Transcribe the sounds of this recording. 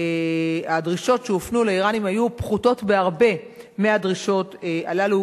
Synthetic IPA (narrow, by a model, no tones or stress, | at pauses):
eadʁiʃo̞tʃeofnuleiʁanimhajupχuto̞tbeaʁbe̞ | meadʁiʃo̞teʔalalu